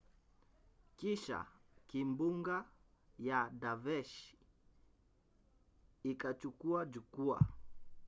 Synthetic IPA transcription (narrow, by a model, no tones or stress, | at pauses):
kiʃa̰kimbuŋɡa | jadavɛʃ | ikat͡ʃukuad͡ʒukua̰